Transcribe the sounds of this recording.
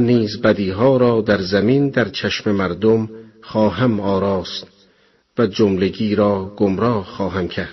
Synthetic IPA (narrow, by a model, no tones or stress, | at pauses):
niːzbæd̪iːɦɒːɾɒːd̪æɾzæmind̪æɾt͡ʃʰæʃmemæɾd̪omχɒːɦæmɒːɾɒːst̪ | væd͡ʒomleɡiːɾɒːɡ̥omɾɒːhxɒːɦæmcʰæɾd̪̥